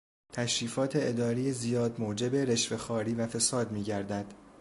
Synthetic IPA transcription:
t̪ʰæʃɾiːfɒːt̪ʰe̞ʔed̪ɒːɾijezijɒːd̪moːd͡ʒe̞be̞ɾe̞ʃve̞xɒːɾiːvæfe̞sɒːd̪miːɟæɾd̪æd̪̥

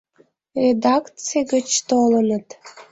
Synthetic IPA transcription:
rʲed̪ɑkt͡seɡət͡ɕt̪olənət̪

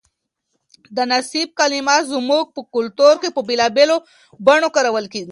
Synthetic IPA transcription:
d̪ənasib̚kalimɑt̪zumuk̚pəkʊlt̪oɾkepəbelɑbelo | baɳokaɾawəlkeɡi

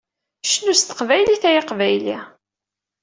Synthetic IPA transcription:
ʃnust̪ə̥qvæjliθæjiqvæjli

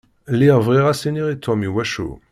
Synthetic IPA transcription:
leʁvʁɛʁaseneʁet̪ʰɔ̃miwaʃo̰

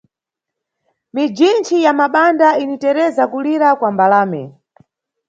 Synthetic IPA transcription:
mid͡ʒint͡ʃijamaɓandainitɛɾɛzakuliɾakwambalaːmɛ̰

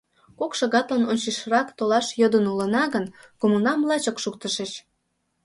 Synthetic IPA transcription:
kokʃɑɣɑt̪lɑnonʲt͡ɕiʃəɾɑkt̪olɑʃjəd̪ənulə̆nɑɣənkomunɑmlɑt͡ɕŏkʃuk̚t̪əʃeʃ

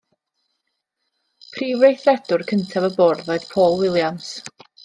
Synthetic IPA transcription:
pʰriːvrejθrɛd̥ʊrkʰəntʰavəbɔrðɔjð̥pʰoːlˠwɪlˠjams

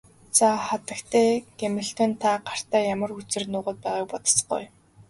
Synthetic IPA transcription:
t͡sʰaχat̪ə̆kt̪ʰeːɡemɘ̆ɬt̪ɔnt̪ʰaɢar̥t̪æːjamə̆rxut͡sɘ̆rnʊːʁə̆t̪̚pæːʁaːk̚pɔt̪ə̥̆s̆ɢṵj

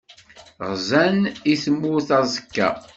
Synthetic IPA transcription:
ʁzæniθəmːuθɑzˤəkːæ̰

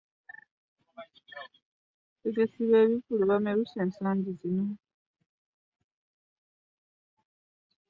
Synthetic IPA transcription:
teɡesiβeβivuluβameɾuseːnsaːɲɟizino

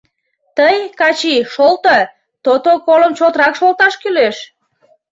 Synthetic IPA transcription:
t̪əjkɑt͡ɕiʃolt̪ə | t̪ot̪okoləmt͡ɕot̪ɾɑkʃolt̪ɑʃkyleʃ

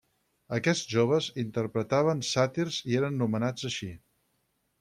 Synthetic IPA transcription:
əkɛʒoβ̞əzint̪ərpɾət̪aβ̞ənsat̪iɾzieɾənːumənad͡zəʃi

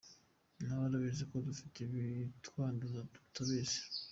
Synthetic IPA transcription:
naβaɾaβezekodufi̥tʰeβitwaːndozatu̥tʰaβeːse̥

